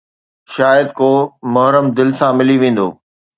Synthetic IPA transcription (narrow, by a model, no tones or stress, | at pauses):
ʃaːjəd̪̚koːmɐɦɾəmd̪ɪlsãmɪliʋẽːn̆d̪o̰ː